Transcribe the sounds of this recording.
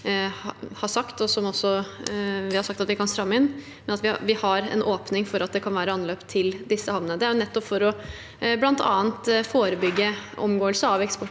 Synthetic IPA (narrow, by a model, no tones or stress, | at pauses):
hɑʂɑkt̪ɔsɔmɔsːɔ | ʋɪhɑɾʂɑk̚t̪ɑt̪ʋɪkʰɑnsɾɑmːɪnː | mɛnɑt̪ʋɪʋɪhɑɾɛ̰nʔoːpnɪŋfɔɾʔɑt̪̚d̪ɛkʰɑnʋæːɾəɑnløːpt̪ʰːɪld̪ɪsːəhɑʋnəəd̪ɛæɾjʊnɛt̪ːɔpfɔɾɔ | blɑnt̪ʰɑ̰ːənt̪foːɾəbʏɡːəʔɔ̰mɡoːəlsəɑʋɛkspɔʈ